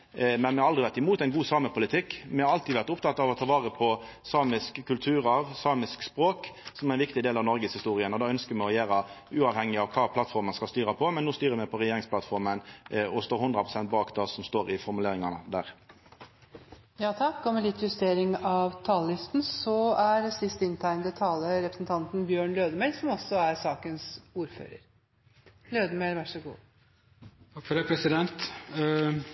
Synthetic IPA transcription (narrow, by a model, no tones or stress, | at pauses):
mɛnmɛhɑɾɑlʁɾɪʋæɾt̪ɪmuːt̪æɪnɡuːsɑːməpʰʊlɪt̪ʰɪkːmɛhɑɾɑlt̪ʰid̪ʋæɾt̪ʊpt̪ʰɑt̪ːɑʋɔt̪ʰɑʋɑːʁəpʰɔsɑːmɪskəkʰːʉlt̪ʰʉːɾɑʋsɑːmɪskspɾoːksɔmæɾɪnʋɪkt̪ɪd̪eːlɑʋnɔɾɡəshɪst̪uːʁɪənɔd̪ɑːœnskəɾmɛɔjæːɾəʉːɑʋhɛŋːɪɑʋkʰɑːpʰlɑt̪fɔɾmənskɑlst̪yːɾəpʰɔmɛnːoːst̪yːɾəmɛpʰɔɾɛjeːɾɪŋsplɑt̪fɔɾmənɔst̪oːɾhʊnd̪ɾəpʰʁʊsɛnt̪̚bɑːkd̪ɑsɔmst̪oːɾɪfɔɾmʉleːɾɪŋɑnəd̪æːɾ | jɑːt̪ʰɑkːɔmɛlɪt̪ʰːjʉst̪eːɾɪŋɑʋt̪ʰɑːləlɪst̪n̩sɔæɾsɪst̪ɪnt̪ʰæɪnd̪ət̪ʰɑːləɾɛpɾəsnt̪ʰɑnt̪n̩bjøːɳløːd̪əmɛlsɔmɔsːɔæɾsɑːkənsuːɾfø̰ːɾə̰ɾ | løːd̪əmeɪlʋæʂəɡṵː | ɑfɔɾɛpʰɾɛsɪd̪ɛnt̪